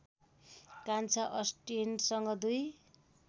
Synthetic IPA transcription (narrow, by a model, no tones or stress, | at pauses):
kant͡sʰaʔʌsʈinsʌŋɡʌd̪uj